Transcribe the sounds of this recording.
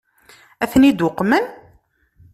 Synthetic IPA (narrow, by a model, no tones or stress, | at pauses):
æθnid̪ʊqːmən